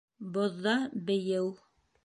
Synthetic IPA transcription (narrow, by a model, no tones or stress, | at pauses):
bŏðːɑbɘ̆jɘw